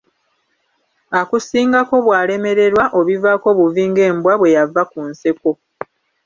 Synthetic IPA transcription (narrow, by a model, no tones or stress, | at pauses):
akusiːŋɡako̞βwaːle̞me̞ɾe̞ɾwaʔo̞βivako̞βuviːŋɡe̞ːmbwaβwe̞javakunseko̞